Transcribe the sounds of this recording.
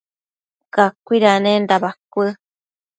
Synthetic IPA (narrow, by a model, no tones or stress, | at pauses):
kakʷiɾanendabakʷɨ